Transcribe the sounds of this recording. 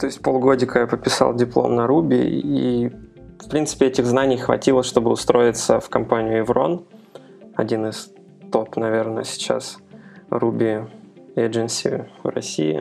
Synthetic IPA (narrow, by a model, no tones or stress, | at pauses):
t̪o̞ɪsʲt̚ʲpolˠɡo̞dʲɪkəjapət̪̚pʲɪsɑ̰lˠdʲɪplˠo̞̰mnɐɾubʲɪ̰ḭ | fpɾʲint̪sɨ̥pʲɪɛtʲɪɣznanʲɪjxvɐ̰tʲilˠəʂt̪o̞bɨʊst̪ɾo̞ɪt̪səfkɐmpanʲɪjʊɪvɾo̞̰n | ɐdʲinɨs | t̪o̞t̪nɐvʲernə̰sʲɪ̥t͡ɕa̰srubʲɪeʐɨnsʲɪvrɐ̰sʲḭɪ̰